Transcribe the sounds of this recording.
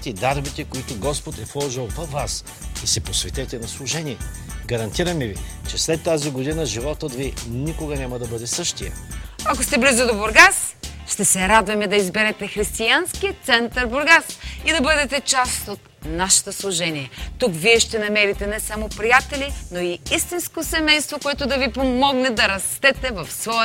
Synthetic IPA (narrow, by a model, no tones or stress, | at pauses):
t̪ɛd̪aɾbit̪ɛkoit̪ʊɡɔspot̪ɛflˠɔʒilˠvɐvːas | isɛposvɛt̪ɛt̪ɛnɐslˠʊʒɛniɛ | ɡɐɾɐnt̪iɾɐmivit͡ʃɛslɛt̪ːaziɡod̪inəʒivɔt̪od̪vinikoɡɐnʲamɐd̪ɐbɤd̪ɛsɤʃt̪ijɐ̰ɐkost̪ɛblizʊd̪oboɾɡas | ʃt̪ɛsɛɾad̪vɐmɛd̪ɐizbɛɾɛt̪ɛxɾist̪ianskiət̪sɛnt̪ɐɾboɾɡasid̪ɐbɤd̪ɛt̪ɛt͡ʃast̪ot̪naʃɐ̥t̪oslˠʊʒɛniɛt̪ukviɛʃt̪ɛnɐmɛɾit̪ɛnɛsamopɾijat̪ɛlinoiist̪inskosɛmɛjst̪vokoɛt̪ʊd̪ɐvipomɔɡnɛd̪ɐɾɐst̪ɛt̪ɛvɐfsvɔ